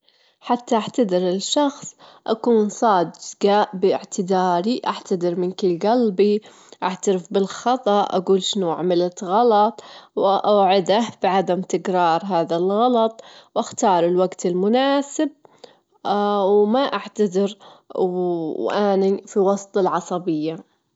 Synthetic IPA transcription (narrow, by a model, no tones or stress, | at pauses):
ħat̪ːaʔaʕt̪ad̪ɪɾɪlʃɑxsˤʔakuːnsˤɑːd̪ɡaʔbɪɪʕt̪ɪd̪aːɾiʔaʕt̪ad̪ɪɾmɪnkɪlɡalbi | ʔaʕt̪aɾɪfbɪlxɑt̪ˤɑʔa̰ɡuːlʃɪnua̰ʕmɪlat̪ɣɑlɑt̪ˤwʔaʕɪd̪ahbɪʕad̪amt̪ɪɡɾɑːɾˤɦaːðalɣɑlɑt̪ˤwʔaxt̪ɑːɾˤɪlwaɡt̪ɪlmʊnaːsɪb̚ | wmaʔaʕt̪ad̪ɪɾ | ʔaːnifiwɑsˤt̪ˤɪlʕɑsˤɑbɪjːa